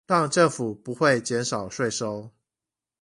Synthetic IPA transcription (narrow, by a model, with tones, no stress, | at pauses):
tɑ˥˧ŋʈ͡ʂə˥˨˩ŋfu˨˩pu˨˦xwe˥˨ɪt͡ɕjɛ˨˦nʂɑ˨˩ʊʂwe˥˨ɪʂo˦˥ʊ